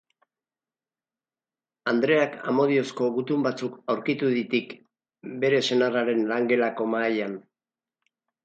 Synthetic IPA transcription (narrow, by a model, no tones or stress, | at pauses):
and̪ɾe̞aka̰mo̞ð̞io̞sko̞ɣut̪umbat͡sukawɾkit̪uðit̪ik | be̞ɾe̞se̞naraɾe̞nlaŋɡe̞lako̞maːjan